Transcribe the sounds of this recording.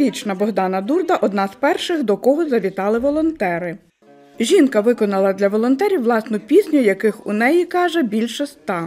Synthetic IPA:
it͡ʃnɐbɔɦd̪ɑnɐd̪urd̪ɐʔɔd̪nɑzpɛrʃɪɣd̪ɔkɔɦɔzɐʋʲit̪ɑlˠɪʋɔlˠɔnt̪ɛɾɪ | ʒʲinkɐʋɪkɔnɐlˠɐd̪lʲɐʋɔlˠɔnt̪ɛɾʲiwʋlˠɑsnʊpʲisʲnʲʊjɐkɪxʊnɛjikɑʒɛbʲilʲʃɛst̪ɑ

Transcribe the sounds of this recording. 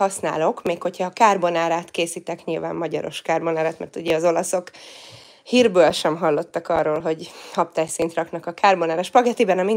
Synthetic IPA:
ɒsna̰ːlo̞kmeːkho̞chɒːkaːrbonaːɾaːt̪keːsiːt̪ɛkɲilva̰ːmːɒɟɒ̰ɾo̞̰ʃkaːrbo̞naːɾaːt̪mɛ̰rt̪uɟɛɒzo̞lɒso̞k | hiːrbøːlʃɛmɦɒlːo̞t̪ːɒkɒrːoːlɦo̞ɟhɒp̚t̪aːjsint̪rɒknɒkɒkaːrbonaːɾaːʃpɒɡɛt̪ibɛnɒmin

